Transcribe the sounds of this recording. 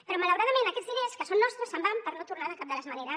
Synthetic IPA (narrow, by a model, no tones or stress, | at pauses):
pəɾɔmaləwɾaðamẽnakɛd͡zzðileskəsonːɔst̪ɾəsəmbampəɾnot̪urnaðəkap̚d̪ələzmaneɾə